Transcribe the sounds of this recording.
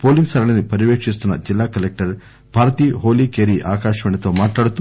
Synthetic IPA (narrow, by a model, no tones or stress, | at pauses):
po̞ːliŋɡsɐɾɐlɐnipɐɾiʋeːkʂist̪unːɐ̰d͡ʒilːaːkɐlek̚ʈɐɾ | bʱaːɾt̪iːɦo̞ːliːkeːɾiːʔaːkaːʃɐʋɐɳɐt̪o̞ːmaːʈlaːɽut̪u